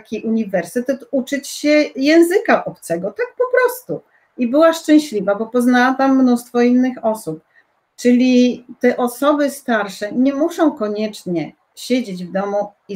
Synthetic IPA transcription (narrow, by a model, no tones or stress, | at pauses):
kʲiʔuɲivɛɾsɘt̪ɛt̪ut͡ʂɘt͡ɕɕɛjɛ̃w̃zɘkaʔɔp̚t̪sɛɡɔt̪ak̚pɔpɾɔst̪u | ibɘwaʂt͡ʂɛ̃w̃ɕlʲivabɔpɔznawat̪amːnust̪fɔinːɘxɔsup̚ | t͡ʂɘlʲit̪ɛʔɔsɔbɘst̪aɾʂɛɲɛmuʂɔ̃w̃kɔɲɛt͡ʂɲɛ | ɕed͡ʑed͡ʑvd̪ɔmu | i